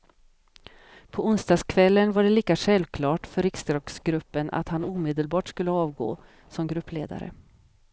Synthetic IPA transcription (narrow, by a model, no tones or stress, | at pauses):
pʰɔʊnst̪ɑːɡskʰvɛlːənvaɖɛliːkaɧɛlvkʰlɑːʈfœɾɪkst̪ɾɑːɡsɡɾɵpːənʔa̰t̪hanuːmeːd̪əlbɑːʈskɵlːəɑːvɡo̰ː | sɔmɡɾɵpːleːd̪a̰ɾə̰